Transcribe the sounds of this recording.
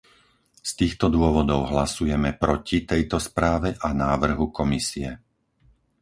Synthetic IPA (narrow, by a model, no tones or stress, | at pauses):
st̪iːxt̪ɔd̪ʊɔʋɔd̪ɔʊɦlasujɛmɛpɾɔcit̪ɛjt̪ɔspɾaːʋɛʔanaːʋr̩ɦukɔmisiɛ